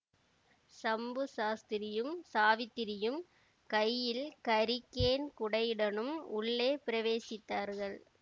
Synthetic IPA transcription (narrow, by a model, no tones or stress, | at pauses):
sɐmbɯsaːst̪ɪɾɪjɯmsaːʋɪt̪ːɪɾɪjɯm | kɐjːɪlkɐɾɪkːeːnkʊɽɐɪɽɐnɯmʊɭːeːpɪɾɐʋeːsɪt̪ːaːɾɣɐɭ